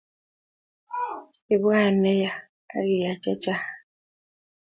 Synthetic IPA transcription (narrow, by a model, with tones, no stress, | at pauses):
i˨bwa˦˨nɛ˦ja˨ | a̰˦ɣi˨ja˨t͡ʃa˦t͡ʃa˦˨